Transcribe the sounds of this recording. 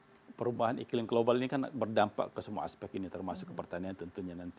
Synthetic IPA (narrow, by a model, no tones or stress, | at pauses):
pəɾubaɦanḭklɪŋɡəlobalinikanbərdampa̰kəsəmua̰aspɛk̚init̪ərmasʊkːəpərt̪aniant̪ənt̪uɲanant̪i